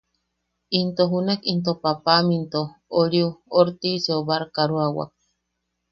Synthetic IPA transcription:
int̪oɦunakint̪opapamint̪ooɾiuoɾt̪iseoβaɾkaɾuawa̰k̚

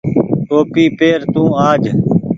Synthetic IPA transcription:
t̪oːpiːpeːɾt̪ũːaːd͡ʒʱ

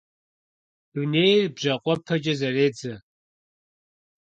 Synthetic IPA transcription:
uneːjrbʒɐqʷʼɔpʰɐd͡ʒɐzɐreːd͡zɐ

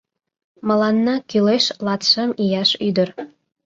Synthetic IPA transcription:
mə̆lɑnːɑkyleʃlɑt̪ʃə̆mijɑʃyd̪ə̆r

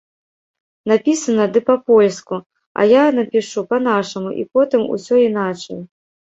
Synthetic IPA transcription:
napʲisɐnɐd̪ɨpɐpɔlʲsku | ɐ̰janɐpʲiʂupɐnaʂɐmuʔḭpɔt̪ɨmṵsʲɔinat͡ʂɐj

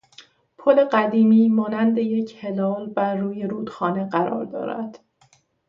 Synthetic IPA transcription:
pʰole̞ɢæd̪iːmiːmɒːnænd̪e̞je̞cʰhe̞lɒːlbæɾːuːje̞ɾuːd̪̥xɒːne̞ɢæɾɒ̰ːɾd̪ɒ̰ːɾæ̰d̪̥

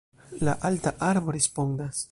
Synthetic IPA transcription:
la̰ʔaltaʔaɾbo̞ɾespo̞ndas

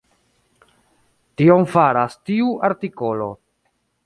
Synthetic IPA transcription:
tiomfaɾastiuʔaɾtiko̞lo̞̰

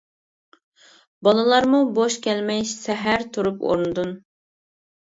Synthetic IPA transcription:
bɑlˠɨlˠɑɾmuboʃkʲʰɛlmɛjsɛɦæɾt̪ʰuɾupo̰ɾnɨd̪un

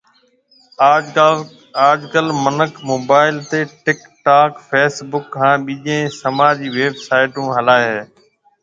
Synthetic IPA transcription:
aː | aːd͡ʒkəlmənəkʰmoːbaːɪlt̪eːʈɪk | ʈaːkfeːsbʊkkʰːãːɓiːʄẽːsəmaːd͡ʒiːʋeːbsaːɪʈũːɦəlaːeɦeː

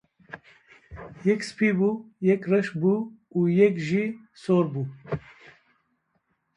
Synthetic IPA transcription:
jɛkspiːbuːjɛkrɛʃbuː | uːjɛkʒiː | soːɾbuː

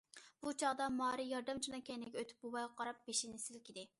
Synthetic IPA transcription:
b̥ut͡ʃʰɑʁd̪ɑmɑːɾɨjɑɾd̪ɛmt͡ʃʰunɑkʲʰɛnɪɡʲɛøt̪ʰɪ̥p̚bowɑjʁɑqʰɑɾɑp̚b̥eʃɪnɪsɪlkʲʰid̪ɪ

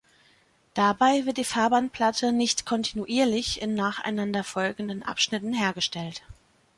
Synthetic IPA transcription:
d̥abaɪvɪɐt̚d̥iːfaːɐbant̚pʰl̥atʰənɪçtkʰɔntʰinuʔiːɐlɪçɪnːaːχa̰ɪnandɐfɔlɡŋ̩dənʔa̰pʃnɪtn̩ɦeːɐɡəʃtɛlt

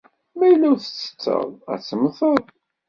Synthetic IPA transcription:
mæjlæwθə̥t͡sːə̥t͡sːə̰ðˤæ̰t͡sːəmθəd̪ˤ

